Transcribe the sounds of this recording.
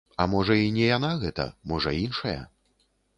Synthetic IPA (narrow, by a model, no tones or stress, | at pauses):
ɐmɔʐɐinʲɛjanaɣɛt̪ɐ̰mɔʐɐinʂɐjɐ̰